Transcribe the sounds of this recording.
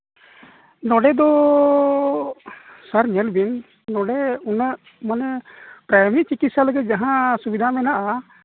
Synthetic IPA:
nɔɖɛd̪ɔ | səɾɲɛlbinː | ɔɖɛunəʔ | manɛpɾajmɾit͡ʃikit̪saləɡɛd͡ʒaɦãsubid̪ʱamɛnaʔa

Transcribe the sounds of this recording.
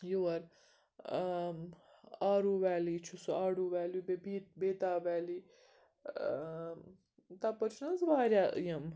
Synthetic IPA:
juwɐɾ | aːɾuːʋɛːliːt͡ʃʰusuaːɽuːʋɛːlibebit̪beːt̪aːʋɛːliː | t̪apɐt͡ʃʰnɐnzʋaːɾjaːjɐm

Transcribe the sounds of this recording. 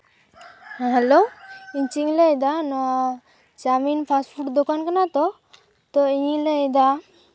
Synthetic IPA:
hɦɛloiɲt͡ʃiŋlɛjd̪anɔ | d͡ʒaminpʰaspʰuʈd̪ɔkankanat̪ɔ | t̪ɔiɲilɛjd̪a

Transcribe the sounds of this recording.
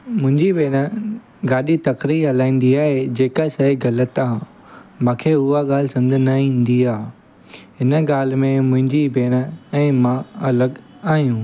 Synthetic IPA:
mʊ̃ɦɪ̃ɲd͡ʑibeːɽ̃ə | ɡaːɗit̪ɐkɾiɦɐlaːĩːn̆d̪iaːɦed͡ʑeːkaʃɐiɡɐlət̪ãː | mãːkʰeːʊaɠaːlɪsɐ̃md͡ʑʱənaĩːnd̪iaː | ɦɪnəɠaːl̤mẽmʊ̃ɦɪ̃ɲd͡ʑibeːɽ̃ə̆ɛ̃ːmãɐləɡ | aːɦijũː

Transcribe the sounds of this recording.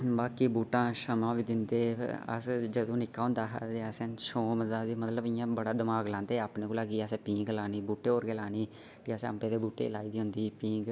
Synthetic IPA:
baːkiːbuːʈãːʃəmãːʋiːd̪ɪnd̪eːə̰sd͡ʒəd̪õːnɪkːaːɦʊ̃nd̪aːɦt̪eːəsẽːʃoːməd̪aːd̪iːmət̪ləbɪjãːbəɽaːd̪əmaːɡlãːnd̪eːaːpneːkoːlaːɡiːasẽːpĩːŋɡlaːniːbuːʈeːoːɾɡeːlaːniː | kiːəsəmpẽːd̪eːbuːʈḛːlaːiːd̪iːɦʊ̃nd̪iːpĩːŋɡ

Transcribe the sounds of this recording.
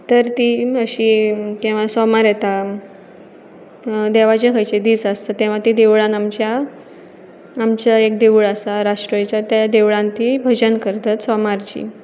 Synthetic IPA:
t̪əɾt̪iəɕikĩw̃ʋasɔmaɾjet̪a | d̪eʋat͡ɕakʰəjt͡ɕed̪iːsast̪at̪ːɛ̃ʋ̤at̪id̪eʋɭãnamt͡ɕa | mt͡ɕaek̚d̪eʋɭasaɾaʂʈɾəjt͡ɕjat̪jad̪eʋɭãnt̪ibʱəd͡ʑənkəɾt̪at̪sɔmaɾt͡ɕḭ

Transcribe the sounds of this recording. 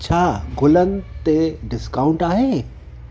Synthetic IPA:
t͡ɕʰaːɡʊlənɪ̆t̪eɖɪskaːʊ̃ɳʈaːɦeː

